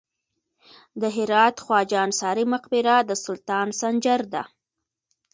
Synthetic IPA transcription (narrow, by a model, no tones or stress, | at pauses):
d̪əɦɪɾɑt̪xwɑd͡ʒɑnsɑɾimaqbɪɾad̪əsʊlt̪ɑnsand͡ʒaɾd̪a̰